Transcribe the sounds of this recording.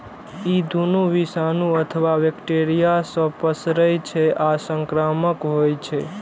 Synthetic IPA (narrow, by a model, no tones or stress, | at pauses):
id̪ʱunuʋisanũət̪ʰəʋaʋekʈeɾijasə̃pəsɾəjt͡ʃʰeʔasə̃ŋkɾaməkɦojt͡ʃʰe